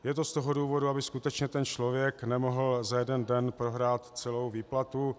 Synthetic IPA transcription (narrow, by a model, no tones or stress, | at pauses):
jɛt̪o̞st̪o̞ɦo̞duːvo̞duabɪskut̪ɛt͡ʃɲɛt̪ɛnt͡ʃlo̞vjɛknɛmo̞ɦl̩zajɛdɛndɛnpɾo̞ɦɾaːt̪t͡sɛlo̞wviːplat̪u